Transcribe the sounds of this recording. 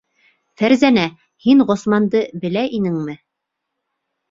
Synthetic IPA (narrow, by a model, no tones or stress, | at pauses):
fæɾzænæ | hiɴʁŏsmɑnd̪ɤbɘ̆læʔinɘŋmɘ